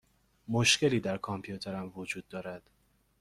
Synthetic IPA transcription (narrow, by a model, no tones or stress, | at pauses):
moʃcʰe̞liːd̪æɾkʰɒmpʰijut̪ʰeɾæmvod͡ʒuːd̪̚ːɒːɾæd̪̥